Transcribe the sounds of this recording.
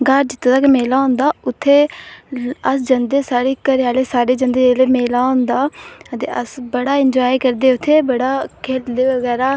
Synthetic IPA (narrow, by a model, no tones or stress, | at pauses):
ɡaɾd͡ʒɪt̪ʰːõd̪aːkemeːlaːõːnd̪aːʊt̪ʰːeː | əsd͡ʒənd̪eːsaːɽeːkəɾɪaːleːsaːɖeːd͡ʒənd̪eːd͡ʒeːleːmeːlaːõːnd̪aːət̪ḛːəsbəɽaːɪɲd͡ʒɔːiːkəɾd̪eːʊt̪ʰːeːbəɽaːkʰeːld̪eːʋəɡɛːɾaː